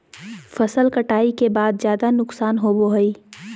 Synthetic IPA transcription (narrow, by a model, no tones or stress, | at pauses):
fʰɐsəlkəʈaːikebaːd̪̚zjaːd̪anʊksaːnɦoboɦəiː